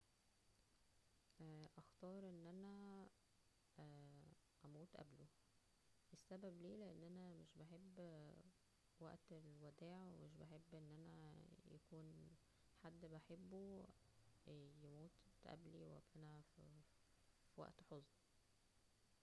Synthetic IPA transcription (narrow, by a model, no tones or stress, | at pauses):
æʔæxt̪ɑːɾˤʔenːʔænæ | ʔæmuːt̪ʔæ̰blo | ʔesːæbæbliːleʔenːʔænæmeʃbeħebː | wæ̰ʔt̪elwæd̪æːʕwemeʃ̬beħebːʔenːʔænæjæ̰kuːn | ħad̪ːbeħebːu | jemuːt̪ʔæ̰bliwʔæ̰bʔænæf | fiwæ̰ʔt̪ħozˤni